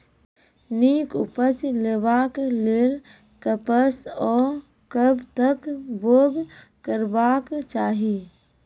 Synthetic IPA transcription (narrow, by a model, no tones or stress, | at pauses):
niːkʊpət͡ʃleːbaːkleɾ | kəpəsɔː | kəbt̪əkboːɡ | kəɾbaːkt͡ʃaːɦiː